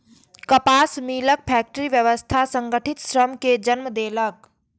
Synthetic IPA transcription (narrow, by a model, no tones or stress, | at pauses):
kəpaːsmiːlək̚pʰɛːk̚ʈəɾiʋjəʋəst̪ʰasə̃ŋɡəʈʰɪt̪sɾəmked͡ʒənməd̪eːlək̚